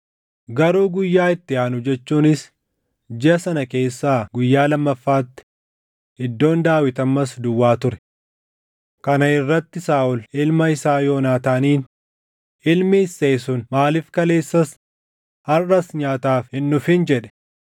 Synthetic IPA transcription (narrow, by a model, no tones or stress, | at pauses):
ɡɐɾuːɡʊjːaːɪt̪ːɪaːnʊd͡ʒɛt͡ʃːuːnɪs | d͡ʒɪɐsɐnɐke̞ːsːaːɡʊjːaːlɐmːɐfːaːt̪ːɪ̥ | hɪd̪ːo̞ːnd̪aːwɪt̪ɐmːɐsd̪ʊwːaːt̪ʊɾɛ̥ | kɐnɐɪrːɐt̪ːɪsaːʔʊlɪlmɐɪsaːjo̞ːnaːt̪aːniːn | ɪlmɪːsːeːsʊnmaːlɪfkɐle̞ːsːɐs | hɐrːɐsɲaːt̪aːfhɪnːʊfɪnd͡ʒɛᶑɛ̥